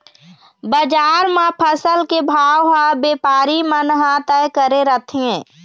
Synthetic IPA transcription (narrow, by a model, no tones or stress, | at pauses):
bəd͡ʒaːɾmãpʰəsəlkebʱaːwɦãbeːpaːɾimənɦãt̪əjkəɾeɾət̪ʰiẽ